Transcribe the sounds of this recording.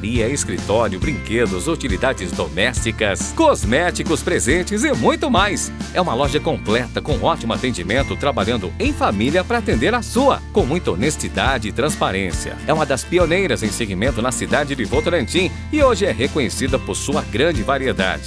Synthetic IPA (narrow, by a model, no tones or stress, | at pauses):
ɾiɐɪskɾit̪ɔɾjʊbɾĩŋked̪ʊzot͡ʃilid̪ad͡ʒɪzd̪omɛst͡ʃikɐskozmɛt͡ʃikʊspɾezẽnt͡ʃɪzɪmũj̃t̪ʊmajsɛũmɐlɔʒɐkõmplɛt̪ɐkõɔt͡ʃimʊat̪ẽnd͡ʒimẽnt̪ʊt̪ɾabaʎɐ̃nd̪ʊẽj̃familiɐpɾɐːt̪ẽnd̪eɾasuɐ̰kõw̃mũj̃t̪ɐonest͡ʃid̪ad͡ʒɪɪt̪ɾɐ̃spaɾẽsiɐ̰ɛũmɐd̪ɐspionejɾɐzẽj̃seɡimẽnt̪ʊnɐsid̪ad͡ʒɪdɪvowt̪oɾɐ̃nt͡ʃĩ | ɪoʒɪɛɦekõɲesid̪ɐpoɾsuɐɡɾɐ̃d͡ʒɪvaɾied̪a̰d͡ʒɪ̥